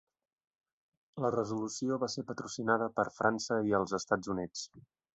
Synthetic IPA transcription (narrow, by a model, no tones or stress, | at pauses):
lərəzulusioβasepət̪ɾusinaðəpəɾfɾansəiəlˠzəst̪ad͡zunit͡s